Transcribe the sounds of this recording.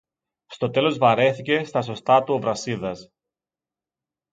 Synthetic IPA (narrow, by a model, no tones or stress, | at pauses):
st̪o̞t̪e̞lo̞zvɐɾe̞θice̞st̪ɐso̞st̪ɐt̪uo̞vɾɐsiðɐs